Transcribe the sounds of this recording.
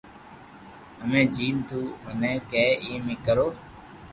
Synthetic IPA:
əmẽːd͡ʒiːnt̪ʰuːʋənẽːkeːiːmɪ̃ːkəɾoː

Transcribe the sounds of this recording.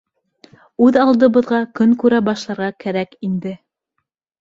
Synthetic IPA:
ʉðɑlˠd̪ɤ̆βɤ̆ðʁɑkɵŋkʉɾæbɑʃlˠɑɾʁɑkæɾækind̪ɘ

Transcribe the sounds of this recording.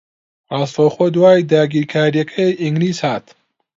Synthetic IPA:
aːst̪oxod̪waːjd̪aːɡiːɾkʰaːɾijɐkʰɐiŋɡliːshaːt̪

